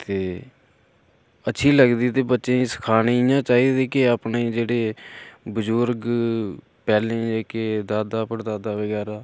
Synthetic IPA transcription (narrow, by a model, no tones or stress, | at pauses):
t̪eː | ətːʃʰiːləɡd̪iːt̪eːbətːʃẽːsə̥kʰaːneːɪjãːt͡ʃaːiːd̪eːkɪaːpneːd͡ʒeːɽeːbəzʊɾɡ | pɛːlẽːd͡ʒeːked̪aːd̪aːpəɾd̪aːd̪aːʋəɡɛːɾaː